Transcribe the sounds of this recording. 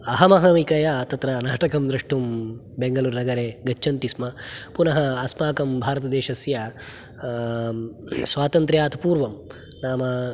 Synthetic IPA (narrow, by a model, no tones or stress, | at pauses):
ɐɦɐmɐɦɐmikɐjat̪ɐt̪ɾɐnaːʈɐkɐmd̪ɾɐʂʈum | beŋɡɐluːɾnɐɡɐɾeːɡɐt͡ʃːt͡ʃʰɐnt̪ismɐpunɐɦɐːsmaːkɐmbʱaːɾɐt̪ɐd̪eːʃɐsjɐ | sʋaːt̪ɐnt̪ɾjaːt̪ɐpuːɾʋɐm | naːmɐ